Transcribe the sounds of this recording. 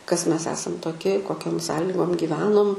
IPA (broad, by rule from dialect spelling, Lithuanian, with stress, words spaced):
kɐs ˈmʲɛs ˈæːsɐm toːˈkʲɪ koːˈkʲoːm ˈsɑːlʲɪɡoːm ɡʲɪˈʋʲæːnoːm